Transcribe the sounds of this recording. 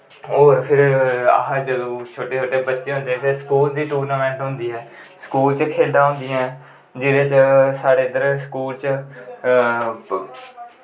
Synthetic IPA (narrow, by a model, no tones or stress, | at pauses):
oːɾpʰɪɾa̰ɦd͡ʒəd̪õːt͡ʃʰoːʈeːt͡ʃʰoːʈeːbətːʃeːɦʊ̃nd̪eɛ̃ːpʰɪɾskuːld̪iːʈuːɾnaːmɛ̃ːɳʈɦʊ̃nd̪iːɦɛːsə̥kuːlt͡ʃkʰeːld̪aːɦõnd̪iːɛ̃ː | d͡ʒɪːɾẽːt͡ʃsaːɽeːd̪əɾsəkuːlt͡ʃə